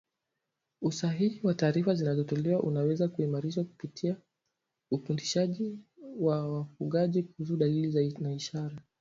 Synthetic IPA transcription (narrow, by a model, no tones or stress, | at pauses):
usaɦihiwataːɾifazinazɔtɔlɛwaʔunawɛzakuimaɾiʃaku̥pitʰia | ufundiʃaʄiwawafuɠaʄikuhus̬uɗalilizanaiʃaɾa